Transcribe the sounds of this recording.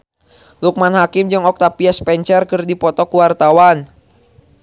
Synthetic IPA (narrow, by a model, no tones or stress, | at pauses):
luk̚manhakɪmd͡ʒɨŋɔk̚t̪apiaspɛɲt͡ʃɛrkɨrdipɔt̪ɔkuwart̪awan